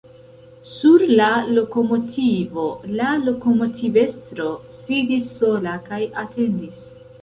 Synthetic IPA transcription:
suɾlalo̞ko̞mo̞tʰivo̞lalo̞ko̞mo̞tʰive̞stɾo̞ | sidisːo̞lakajatʰe̞ndis

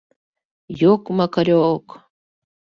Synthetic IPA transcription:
jokmakaɾok

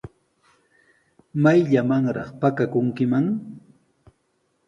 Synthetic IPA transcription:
majʎamaŋɾɑχpakakʊŋkɪmaŋ

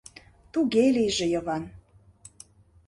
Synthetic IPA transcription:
t̪uɣelijʒĕjə̆βɑn

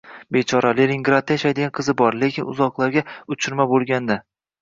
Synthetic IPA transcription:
bet͡ʃʰɒɾalelʲɪŋɡɾad̪̚ːajaʃajd̪ɪɡʲanqʰɨzɪbɒɾle̞kʲʰɪnʊ̰zɒqlˠaɾɡʲaʊt͡ʃʰɪɾmabolˠɡʲand̪a

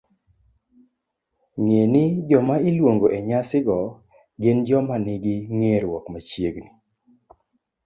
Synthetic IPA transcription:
ŋenɪd͡ʒɔmaɪlwoŋɡoʔeɲasɪɡɔ | ɡɪnd͡ʒɔmanɪɡɪŋeɾwɔkmat͡ʃjeɡni

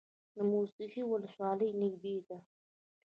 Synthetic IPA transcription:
d̪əmusiqiwʊləswɑləjnɪɡbed̪a

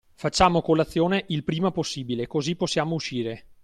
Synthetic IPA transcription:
fat͡ʃːaːmokolat̪sːjoːneʔilpɾiːmaposːiːbilekoziposːjaːmouʃiːɾe

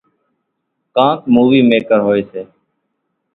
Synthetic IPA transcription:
kãːkmuːʋiːmeːkəɾɦoːeːseː

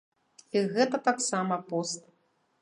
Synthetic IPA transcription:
iɣɛt̪ɐt̪aksamɐpɔst̪̚

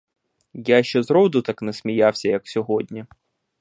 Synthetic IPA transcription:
jaʃt͡ʃɛzɾɔwd̪ʊt̪ɑknɛsmʲijawsʲɐjɐksʲɔɦɔdʲnʲi

